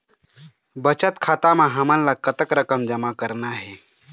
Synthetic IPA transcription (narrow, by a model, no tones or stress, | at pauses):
bət͡ʃət̪kʰaːt̪amãɦəmənlakət̪əkɾəkəmd͡ʒəmakəɾnaɦe